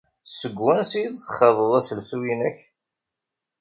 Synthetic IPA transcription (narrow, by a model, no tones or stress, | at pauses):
səɡːwænsiid̪sə̥χɑðˤəðˤæsəlsujinæç